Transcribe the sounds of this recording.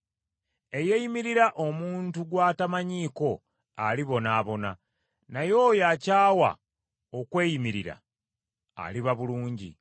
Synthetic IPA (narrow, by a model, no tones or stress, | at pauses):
e̞je̞jimiɾiɾaʔo̞muːntuɡwaːtamaɲiːko̞ | aliβo̞naːβo̞na | najo̞ːjacaːwa̰ | okwe̞ːjimiɾiɾa̰ | a̰liβaβuluːɲɟḭ